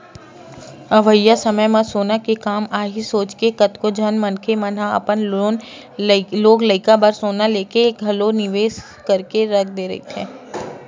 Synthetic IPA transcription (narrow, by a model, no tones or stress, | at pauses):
ɐʋəjːasɐməjmasoːnakekaːmaːɦisoːt͡ʃkekɐt̪kod͡ʒʱɐnmɐnkʰemɐnaɐ̰pənon | loːɡləɪkabɐɾsoːnaleːkeːkɡʱɐlonɪʋeːs | kɐɾkeɾɐk̚ʰd̪eɾɐ̰ḭt̪ʰɦɛ̃ː